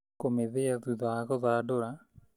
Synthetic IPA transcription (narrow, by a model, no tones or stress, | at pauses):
komeðeaðuðaːɣɔðaːɖoɾa